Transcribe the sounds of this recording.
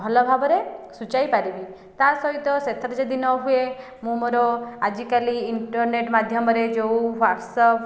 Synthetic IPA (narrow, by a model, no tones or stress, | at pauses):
ɦɔlɔbʱabɔɾesut͡ʃajpaɾibi | t̪asɔɦit̪ɔset̪ʰɾɔd͡ʒɔd̪inɔɦue | mũmoɾɔad͡ʒikaliːɳʈɔɾneʈmad̪ʱjɔmɔɾed͡ʒowʋaɾsɔ